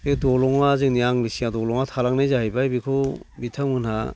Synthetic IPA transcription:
edɔlɔŋazɯŋniaŋlisiadɔlɔŋatʰalaŋnajzaɦajbajbikʰɔbitʰamɯnha

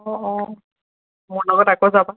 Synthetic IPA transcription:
ɔɔ | mɔlɔɡɔtakɔzaba

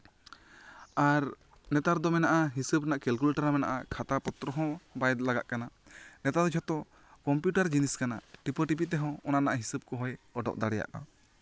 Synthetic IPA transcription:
aɾ | nɛt̪aɾd̪ɔmɛnaʔaɦisəbnaʔkɛlkulʈaɾamɛna̰ʔakʰat̪apɔt̪ɾɔɦɔ̃bajd̪laɡaʔkana | nɛt̪ad̪ɔd͡ʒʰɔt̪ɔ | kɔmpjuʈaɾd͡ʒiniskana̰ʈipɔʈip̬it̪ɛɦɔ̃ɔnanaʔaɦisəb̚kɔɦɔjɔɖɔ̰ʔ̚d̪aɽɛja̰ʔa̰

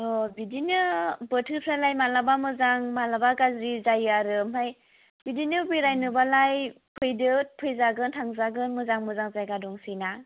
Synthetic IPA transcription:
ɔbidinɯbɯtʰɯpʰɾalajmalabamɯzaŋmalabaɡazɾizajaɾɯmɦaj | bidinɯbɯjɾajnɯbalaj | pʰɯjdɯt̚pʰɯjzaɡɯntʰaŋzaɡɯnmɯzaŋmɯzaŋzajɡadɔŋsina

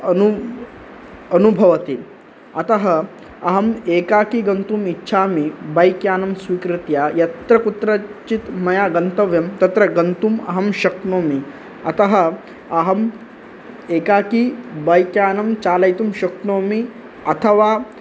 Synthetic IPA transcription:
ɐnu | ɐnubʱɐʋɐt̪i | ɐt̪ɐɦɐ | ɐɦɐmeːkaːkiɡɐnt̪umitːɕʰaːmibɐjkjaːnɐmsʋiːkɾit̪jaːjɐt̪ɾɐkut̪ɾɐt͡ʃit̪mɐjaːɡɐnt̪ɐʋjɐmt̪ɐt̪ɾɐɡɐnt̪umɐɦɐmʃɐknoːmi | ɐt̪ɐɦɐ̆ | ɐɦɐm | eːkaːkibɐjkjaːnɐmt͡ʃaːlɐjt̪umɕɐknoːmi | ɐt̪ʰɐʋaː

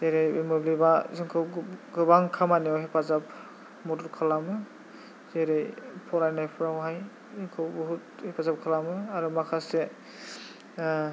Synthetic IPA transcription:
zeɾejbimɔblibazɯŋkʰɯwɡɯbaŋkʰamaniɔɦipʰazap | mɔtɔɾkʰɯlamɯ | zeɾejpʰɔlajnajpʰuɾawɦaj | zɯŋkʰɯwbɔɦuthipʰazap̚kʰɯlamɯaɾumakʰase

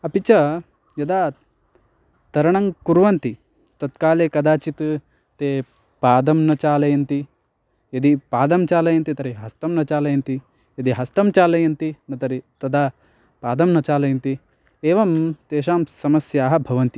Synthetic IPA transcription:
ɐpit͡ʃɐ | jɐd̪aː | t̪ɐɾɐɳɐŋkuɾʋɐnt̪i | t̪ɐt̪kaːleːkɐd̪aːt͡ʃit̪ | t̪eː | paːd̪ɐmnɐt͡ʃaːlɐjɐnt̪i | jɐd̪ipaːd̪ɐmt͡ʃaːlɐjɐnt̪it̪ɐɾiɦɐst̪ɐmnɐt͡ʃaːlɐjɐnt̪i | jɐd̪iɦɐst̪ɐmt͡ʃaːlɐjɐnt̪inɐt̪ɐɾit̪ɐd̪ʱaː | paːd̪ɐmnɐt͡ʃaːlɐjɐnt̪i | eːʋɐmt̪eːʃ̬aːmsɐmɐsjaːɦɐbʱɐʋɐnt̪i

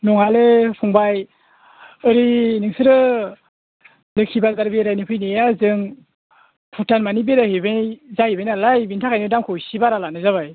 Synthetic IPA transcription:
nɔŋalɯpʰuŋbaj | ɯɾinɯŋsɯɾɯ | lɯkʰibazaɾbeɾajnipʰɯjnejazɯŋ | pʰutanmanibeɾahebezahibajnalajbintʰakʰajnɯdamkʰɔwsibaɾalanɯzaβaj

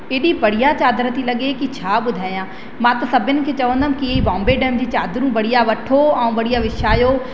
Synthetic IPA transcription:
eːɗĩpɐɽ̤ijat͡ɕaːd̪ɾət̪ilɐɠekit͡ɕʰaːɓʊd̪ʱaːijãː | mãt̪ɐsɐbʱɪnɪ̆kʰeːt͡ɕɐʋə̃nd̪əm̃kiibɔ̃ːmbeɖɛːmd͡ʑiːt͡ɕaːd̪ɾũʋɐɽ̤ijaʋɐʈʰoɛ̃ũːʋɐɽijaʋɪʃaːjo

